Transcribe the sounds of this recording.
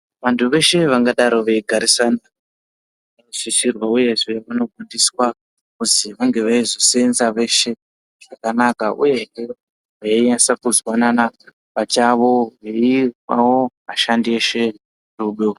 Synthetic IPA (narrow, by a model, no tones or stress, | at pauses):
ʋantʰuʋe̞ʃe̞ʋaŋɡaɗaɾo̞ʋe̞ɡʱaɾisana | siʃirwauje̞ʐe̞ʋano̞ɡʱundiswa | kutiʋaŋɡe̞ʋaizoseenzaʋe̞ʃe̞ | ʐ̥akanakaʔṵje̞ɦe | aiasakuzwanana | pat͡ʃaʋo̞ʋeirwa̰womaʃandieʃe̞ | ruɓo